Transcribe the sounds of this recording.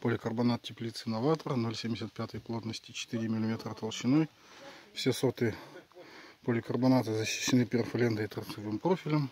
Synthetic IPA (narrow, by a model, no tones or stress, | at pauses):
polʲɪkərbɐnat̪̚tʲɪplʲit̪sɨnɐvat̪əɾənolʲsʲemʲdʲɪsʲət̪̚pʲat̪əjplˠo̞t̪nəsʲtʲɪt͡ɕɪ̥t̪ɨɾʲɪmʲɪlʲɪmʲet̪ɾət̪ɐlˠɕɪnoj | fsʲesot̪ɨ | polʲɪkərbɐnat̪ɨzəɕːɪ̥ɕːɪnɨpʲɪrfɐlʲend̪əit̪ɐt̪sɨvɨmpɾofʲɪlʲəm